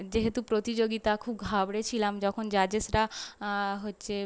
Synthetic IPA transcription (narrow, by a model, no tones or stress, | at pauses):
d͡ʒeɦet̪upɾot̪id͡ʒoɡit̪akʰub̚ɡʱabɽet͡ʃʰilamd͡ʒɔkʰond͡ʒad͡ʒesɾa | ɦotːt͡ʃe